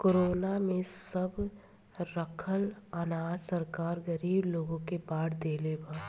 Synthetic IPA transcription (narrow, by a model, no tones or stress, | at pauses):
koːɾoːnamẽsəb | ɾəkʰəlanaːdsəɾkaːɾɡɐɾiːbloːɡõkebaːɽd̪eːlebaː